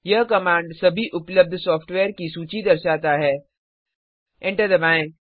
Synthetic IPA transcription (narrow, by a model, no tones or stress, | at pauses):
jɐɦkɐmãːɳɖsɐbʱiʔʊpləb̚d̪ʱsɔːfʈʋeːɾkisuːt͡ʃid̪ɐɾʃaːt̪aɦɛː | ɪ̃ɳʈəɾd̪ɐbãːɪ̃